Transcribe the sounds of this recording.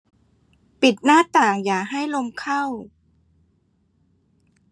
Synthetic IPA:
pi˨˩t̪̚naː˥˩t̪aː˨˩ŋjaː˨˩kɦa˥˩jlo˧mkʰa˥˩w

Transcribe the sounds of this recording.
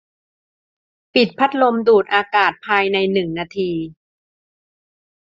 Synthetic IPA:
pi˨˩t̪̚pʰa˦˥t̪̚lo˧mduː˨˩t̪̚ʔaː˧kaː˨˩t̪̚pʰaː˧jna˧jnɯ˨˩ŋnaː˧t̪ʰiː˧

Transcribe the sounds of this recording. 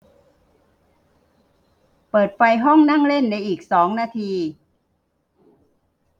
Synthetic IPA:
pɤː˨˩t̪̚fa˧jɦɔ˥˩ŋna˥˩ŋle˥˩nːa˧jʔiː˨˩k̚sɔː˩˦ŋnaː˧t̪ʰiː˧

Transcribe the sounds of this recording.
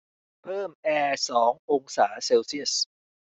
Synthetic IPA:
pʰɤː˥˩mʔɛː˧sɔː˩˦ŋʔo˧ŋsaː˩˦seː˧wsi˥˩əs

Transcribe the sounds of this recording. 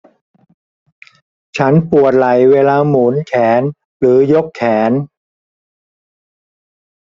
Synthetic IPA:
t͡ɕʰa˦˥npu˨˩ət̪̚la˨˩jweː˧laː˧muː˩˦nkʰɛː˩˦n | ɾɯː˩˦jo˦˥kʰːɛː˩˦n

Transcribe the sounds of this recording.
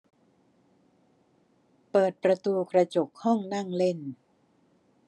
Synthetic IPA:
pɤː˨˩t̪̚pɾa˧t̪uː˧kɾa˧t͡ɕo˨˩k̚hɔ˥˩ŋna˥˩ŋle˥˩n

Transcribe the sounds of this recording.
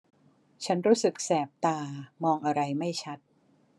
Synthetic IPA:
t͡ɕʰa˦˥nɾuː˦˥sɯ˨˩k̚sɛː˨˩p̚t̪aː˧mɔː˧ŋʔa˧ɾa˧jma˥˩jt͡ɕʰa˦˥t̪̚

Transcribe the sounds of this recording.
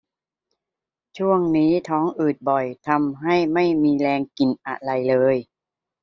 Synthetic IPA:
t͡ɕʰu˥˩əŋniː˦˥t̪ʰɔː˦˥ŋʔɯː˨˩t̪̚bɔ˨˩jt̪ʰa˧mɦa˥˩jma˥˩jmiː˧lɛː˧ŋki˨˩nʔa̰˧˩ɾa˧jlɤː˧j

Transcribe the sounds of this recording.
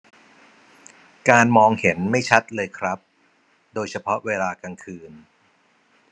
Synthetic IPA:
kaː˧nmɔː˧ŋhe˩˦nma˥˩jt͡ɕʰa˦˥t̪̚lɤː˧jkʰɾa˦˥p̚ | doː˧jt͡ɕʰa˧pʰɔ˦˥ʔweː˧laː˧ka˧ŋkʰɯː˧n

